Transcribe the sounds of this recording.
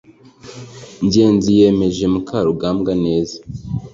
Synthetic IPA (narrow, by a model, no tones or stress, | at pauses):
ɲɟe̞ːnzije̞me̞ʒe̞mukʰaɾuɡaːmɡane̞ːza